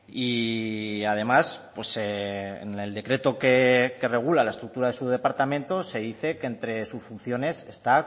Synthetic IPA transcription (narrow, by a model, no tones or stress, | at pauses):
i | að̞e̞maspwe̞seneld̪e̞kɾe̞t̪o̞keke̞re̞ɣ̞ulalae̞st̪ɾuk̚t̪uɾaðe̞suðe̞paɾt̪amẽ̞nt̪o̞se̞ðiθe̞ke̞ːnt̪ɾe̞susfun̟θjo̞ne̞se̞st̪a